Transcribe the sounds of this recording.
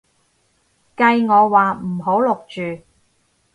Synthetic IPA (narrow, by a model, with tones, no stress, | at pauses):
kɐ˧jŋɔː˨˧waː˨˩m̩˨˩ɦo˨˥wlʊ˨k̚t͡ʃyː˨